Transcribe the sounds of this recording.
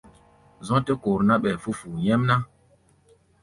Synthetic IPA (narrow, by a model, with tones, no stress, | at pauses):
zɔ̃˦te˦ko˨ɾna˦ɓɛ˨fu˦fu˨jɛ˦mna˦